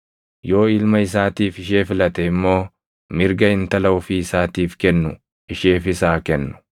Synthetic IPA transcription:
jo̞ːɪlmɐɪs̬aːt̪iːfɪʃeːfɪlɐt̪ɛɪmːo̞ː | mɪɾɡɐɪnt̪ɐlɐʊfiɪsaːt̪iːfkɛnːʊ | ɪʃeːfɪsaːkɛnːʊ̥

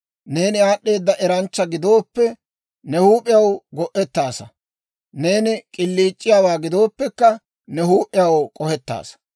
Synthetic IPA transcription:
ne̞ːnɪaːɗːe̞ːd̪ːɐʔɛɾɐnt͡ʃːɐɡɪd̪o̞ːpːɛ | nɛhuːpʼːɪjɐwɡɔʔɛt̪ːaːsɐ | ne̞ːnɪkʼɪlːiːt͡ʃʼːɪjaːwaːɡɪd̪o̞ːpːɛkːɐ | nɛhuːpʼːɪjɐwkʼɔhɛt̪ːa̰ːs

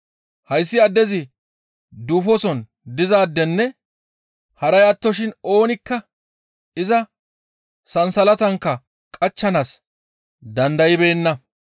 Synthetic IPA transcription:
hɐjs̬ːɪɐd̪ːɛzɪ | d̪uːfɔsɔn | d̪ɪzaːd̪ːɛnːɛ | hɐɾɐjɐt̪ːɔʃɪno̞ːnɪkːɐ | ɪzɐ | sɐnsɐlɐt̪ɐŋkːɐ | kʼɐt͡ʃːɐnas | d̪ɐnd̪ɐjɪbe̞ːnːɐ

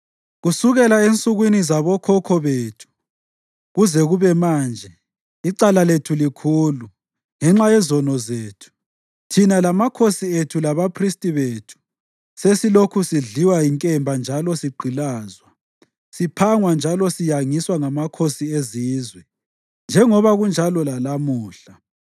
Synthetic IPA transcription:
ɣusuɣɛlaent͡sʼuɣwinizaβɔkʰɔkʰɔβeːtʰu̥ | ɣuzɛɣuβɛmaːnd͡ʒʱɛ | iǃalaletʰulikʰuːlu | ŋɛŋ͡ǁajɛzɔnɔzeːtʰu̥ | tʰinalamakʰosietʰulaβapʰristʼiβeːtʰu̥ | sesilokʰusiɮiwaiŋkʼɛmbʱand͡ʒʱalɔsiɡ͡ǃʱilaːzwa | sipʰaŋwand͡ʒʱalɔsijaŋiswaŋamakʰosieziːzwɛ | nd͡ʒʱɛŋɔβaɣund͡ʒʱalɔlalamuːɬa

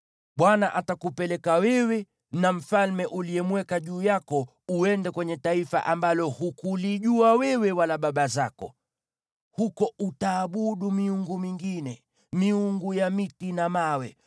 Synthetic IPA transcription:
ɓwanaʔatakupɛlɛkawɛwɛ | nam̩falmɛʔuliɛmwɛkaʄuːjakɔ | uɛndɛkwɛɲɛtaifa̰ʔambalɔhukuliʄuawɛwɛwalaɓaɓazakɔ̰ | hukɔʔutaːɓuɗumiuŋɡumiŋɡinɛ | miuŋɡujamitinamawɛ

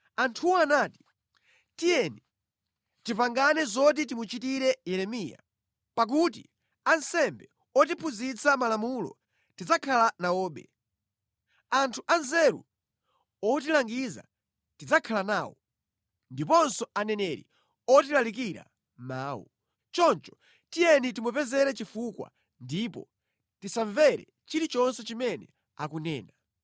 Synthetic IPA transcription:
antʰuwɔanaːti̥ | tijɛni | tivaŋɡanɛzɔt̬it̬imut͡ʃitiɾɛjɛɾɛmiːja̰ | pak̬ut̬ḭ | ansɛmbɛ | ɔt̬ipʰuzit͡sʰamalamulɔ̰ | tid͡zakʰalanaɔːɓɛ̰ | antʰuʔanzɛɾṵ | ɔtilaŋɡiza̰ | tid͡zakʰalanaːwɔ | ndipɔnsɔanɛnɛɾḭ | ɔtilalikiɾa̰ | maːwṵ | t͡ʃɔnt͡ʃɔ̥ | tijɛnitimupɛzɛɾɛt͡ʃifukwa̰ | ndipɔ̰ | tisaɱvɛɾɛ̰ | t͡ʃiɾit͡ʃɔnsɔt͡ʃimɛnɛ̰ | akunɛːna

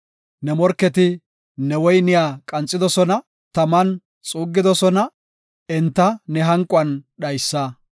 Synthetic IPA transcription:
nɛmɔɾkːɛt̪ɪ | nɛwɔjnɪjaːkʼɐnt͡sʼːɪd̪ɔsɔnɐ | t̪ɐmɐn | t͡sʼuːɡːɪd̪ɔsɔnɐ | ɛnt̪ːɐnɛɦɐŋkʼʊɐnɗɐjsːɐ

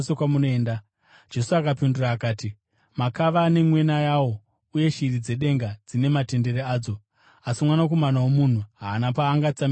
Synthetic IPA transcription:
sekwamunoeːnda | d͡ʒe̞suakapinduraːkaːti | makaʋaːne̞mwe̞najawo̞ | uje̞ʃirid͡ze̞ɗe̞ŋɡad͡zine̞mate̞nde̞ɾeaːd͡zo̞ | asimwanak̬o̞manawomun̤uɦaːnapaːŋɡat͡sam

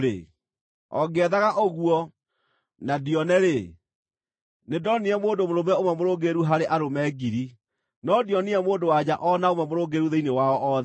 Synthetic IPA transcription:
ɾḛ | ɔ̰ɡɛðaɣaʔoɣuɔ | nadiɔnɛɾe | nedɔniɛmoːndomoɾomɛomɛmoɾoːɡeɾuɦaɾeʔaɾomɛːɡiɾi | nɔdiɔniɛmoːdowad͡ʑaʔɔnaomamoɾoɡeɾuðeinewaɔʔɔð

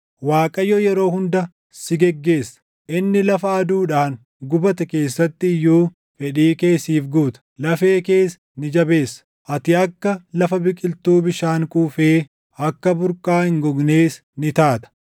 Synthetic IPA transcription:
waːkʼɐjɔjɛɾo̞ːhʊnd̪ɐ | sɪɡɛɡːe̞ːsːɐ̥ | ʔɪnːɪlɐfɐːd̪uːᶑaːŋ | ɡʊbɐt̪ɐke̞ːsːɐt̪ːɪɪjːuː | fɛᶑiːke̞ːsiːfɡuːt̪ɐ̥lɐfe̞ːke̞ːs | nɪd͡ʒɐbe̞ːsːɐ̥ | ʔɐt̪ɪɐkːɐlɐfɐbɪkʼɪlt̪uːbɪʃaːŋkʼuːfeː | ɐkːɐbʊɾkʼaːhɪŋɡɔɡneːs | nɪt̪aːt̪ɐ̥

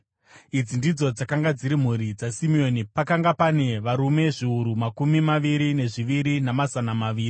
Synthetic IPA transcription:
id͡zindid͡zo̞d͡zakaŋɡad͡ziɾim̤uɾid͡zasimio̞nipakaŋɡapane̞ʋaɾume̞ʐiuɾumakumimaʋiɾine̞ʐiʋiɾinamazanamaʋiːri

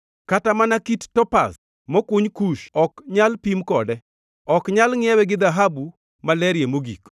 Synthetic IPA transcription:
katamanakittɔpa̰s | mɔkuɲkuʃɔkɲalpimkɔdɛ | ɔkɲalŋɪɛwɛɡɪd̪aɦabu | malɛɾjemoɡḭk

